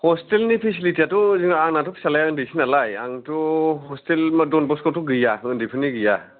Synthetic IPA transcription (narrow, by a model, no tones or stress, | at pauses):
hɔstelnipʰisilitiatuziŋaaŋnatʰɔpsalajaɯndisinalajaŋtuhɔstelmadɔnbɔskɔtuɡɯjaɯndipʰɯniɡɯja